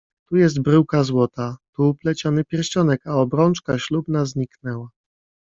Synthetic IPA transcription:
t̪ujɛs̬t̪̚bɾɘwkazwɔt̪at̪uːplɛt͡ɕɔnɘpʲjɛɾɕt͡ɕɔnɛkaɔbɾɔnt͡ʂkaɕlubnazɲiknɛwa

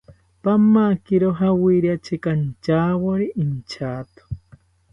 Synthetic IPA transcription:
pamːakiɾoɦawiɾjat͡ʃikant͡ʃawoɾiʔint͡ʃʰaːt̪o̥

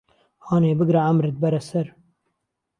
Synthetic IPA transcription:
hɑːneːbɨɡɾaʕamɾɨt̪̚bɛɾɛsɛɾ

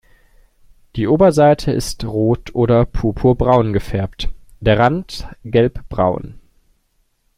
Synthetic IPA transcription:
d̥iːʔoːbɐzaɪtʰəʔɪ̰stʁoːtʰʔoːɾɐpʰupʰuɐbʁaʊnɡəfɛɐptd̥eːɐʁantɡ̥ɛlpb̥ʁa̰ʊn

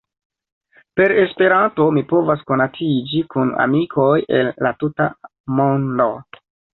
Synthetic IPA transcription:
pe̞ɾe̞spe̞ɾanto̞mipo̞vasko̞natid͡ʒikuna̰mikʰo̞je̞lːatuta | mondo

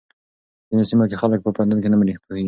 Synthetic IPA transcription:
z̥inesimakexalək̚pəpand̪ankenamɾihpoheɡi

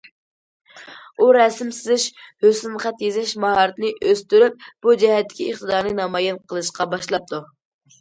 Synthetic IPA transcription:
uɾɛsɪmsɪzɪʃhøsɪnχæt̪jezɪʃmɑhɑɾɨt̪nɨʔøst̪yɾyp̚b̥ud͡ʒɛhɛt̪ːɪ̥kʲieχt̪ʰəd̪ɑɾnɨnɑmɑjɛnqʰəlˠɨʃqɑbɑʃlˠɑp̚t̪ʰu

